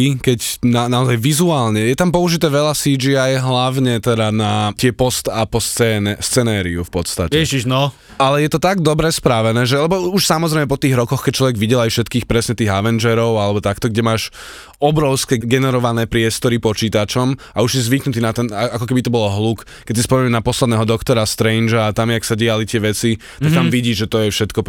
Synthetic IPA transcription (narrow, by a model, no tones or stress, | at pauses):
ikɛcnanaɔzajʋizuaːlɲɛjɛt̪ampɔuʒit̪ɛːʋɛʎasid͡ʒiajɦlaʋɲɛt̪ɛd̪anat̪ɪɛpɔst̪apɔst͡sɛnɛst͡sɛnaːɾiufpɔt̪st̪acɛɛʒiʒnɔ | alɛjɛt̪ɔt̪aɡd̪ɔbɾɛspɾaʋɛnɛːʒɛalɛbɔuʃsamɔzɾɛɪmɛpɔt̪iːɣɾɔkɔxkɛc̚t͡ʃlɔʋɛɡʋiɟɛlajfʃɛt̪kiːxpɾɛsɲɛt̪iːɣaʋɛnd͡ʒɛɾɔʊalɛbɔt̪akt̪ɔɡɟɛmaːʃ | ɔbɾɔʊskɛɡɛnɛɾɔʋanɛːpɾɪɛst̪ɔɾipɔt͡ʃiːt̪at͡ʃɔm | auʒjɛzʋiknut̪iːnat̪ɛnaakɔkɛbit̪ɔbɔlɔɦluk | kɛcsispɔmɾɛmnapɔslɛd̪nɛːɦɔd̪ɔkt̪ɔɾast̪ɾɛjnd͡ʒaːt̪amjaksaɟialit̪ɪɛʋɛt͡si | t̪akt̪amʋiɟiːʒʒɛt̪ɔjɛfʃɛt̪kɔ